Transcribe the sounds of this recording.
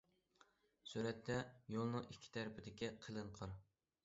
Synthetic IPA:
syɾɛt̪ʰːɛjolˠnɨŋʔikʲʰːi̥t̪ʰæɾpɪd̪ɪkʲiqʰəlˠɨɴqʰəɾ

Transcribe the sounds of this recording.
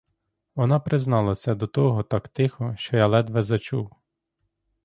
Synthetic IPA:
ʋɔnɑpɾɪznɑlˠɐsʲɐd̪ɔt̪ɔɦɔt̪ɑkt̪ɪxɔʃt͡ʃɔjalˠɛd̪ʋɛzɐt͡ʃuw

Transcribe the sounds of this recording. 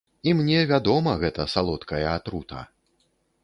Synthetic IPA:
imnʲɛvʲad̪ɔmɐɣɛt̪ɐsalˠɔt̪kʰɐjɐat̪ɾut̪ʰɐ̰

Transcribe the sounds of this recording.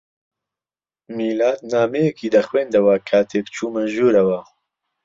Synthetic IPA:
miːlaːt̪̚naːmejɛkʰiːd̪ɐxweːnd̪ɐwɐkʰaːt̪ʰeːkt͡ʃʰuːmɐʒuːɾɐwɐ

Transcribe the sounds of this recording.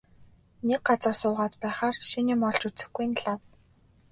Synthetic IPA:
nek̚ɢat͡sə̆rsʊːʁaːt͡spæːχaːrʃiniːmɔɮt͡ɕut͡sɘ̆xɡuj̆nɮaw

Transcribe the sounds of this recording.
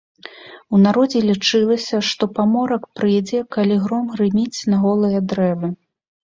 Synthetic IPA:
unaɾɔd͡zʲɛlʲit͡ʂɨlˠɐsʲɐʂt̪ɔpamɔɾɐkpɾɨjɛd͡zʲɛkalʲiɣɾɔmɣrɨmʲit͡sʲnɐɣɔlˠɨjɐd̪ɾɛvɨ

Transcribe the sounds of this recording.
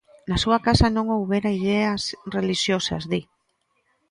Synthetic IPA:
nasuɐkasɐnõŋowβeɾaiðɛɐsreliʃjosɐ̰zði

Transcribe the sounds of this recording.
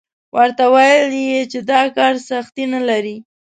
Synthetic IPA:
wʔaɾt̪awajljet͡ʃed̪ɑkɑɾsaxt̪inalaɾi

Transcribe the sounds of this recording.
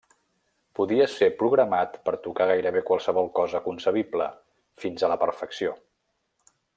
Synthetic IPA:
puðiəsepɾuɣ̞ɾəmat̪pəɾt̪ukaɣ̞ajɾəβekwalˠsəβ̞ɔlˠkɔzəkunsəβ̞iblə̰ | finzələpəɾfəksio

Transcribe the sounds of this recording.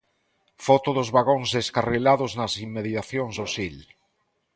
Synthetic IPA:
fɔt̪ʊðʊzβaɣoŋzðeskarelaðʊznɐsimmeðit̪aθjõŋzðosil

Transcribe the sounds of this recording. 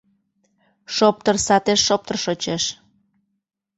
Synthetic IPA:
ʃop̚t̪ərsɑt̪eʃːop̚t̪ərʃot͡ɕeʃ

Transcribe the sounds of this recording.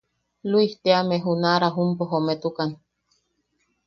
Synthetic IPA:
luiht̪eameɦunaɾaɦumpoɦomet̪ukan

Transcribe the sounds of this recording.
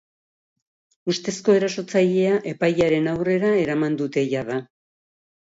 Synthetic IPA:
ust̪e̞sko̞e̞ɾaso̞t͡saʎe̞aʔe̞pajaɾe̞nawre̞ɾae̞ɾamand̪ut̪e̞ʝaða

